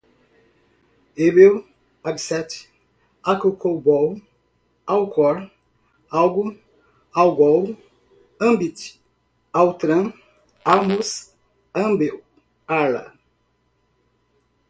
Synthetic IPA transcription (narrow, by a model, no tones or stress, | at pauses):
ebew | abisɛt | akukʰobɔw | awkʰɔɾ | awɡu | awɡɔw | ɐ̃mbit | awt̪ɾɐ̃ | amus | ɐ̃mbew | ala̰